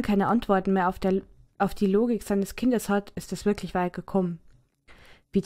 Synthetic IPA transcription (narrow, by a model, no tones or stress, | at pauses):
kʰaɪnəʔantv̥ɔɐtn̩meːɐʔaʊfd̥iːloːɡɪkz̥aɪnəskʰɪndəshatɪstɛsv̥ɪɐklɪçv̥aɪt̚ɡ̥əkʰɔmən | viːd